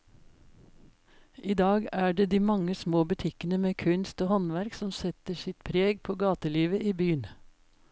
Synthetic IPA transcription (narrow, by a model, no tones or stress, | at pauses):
ʔiːd̪ɑːɡæːɖeːd̪iːmɑŋəsmoːbʉt̪ʰɪkənəmeːkʰʉnst̪oːhɔnʋæɾksɔmsɛt̪əʃɪt̪pʰɾeːɡ̚pʰoːɡɑːt̪əliːʋəʔiːbyːən